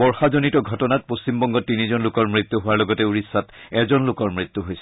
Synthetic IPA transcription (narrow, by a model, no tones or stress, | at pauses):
ɔɹxazonitɔɡʱɔtɔnat̚post͡ɕimbɔŋɡɔtːinizɔnlʊkɔɹmɹit̪ːuɦʊaɹlɔɡɔtɛuɹisːatɛzɔnlʊkɔɹmɹit̪ːuɦojsɛ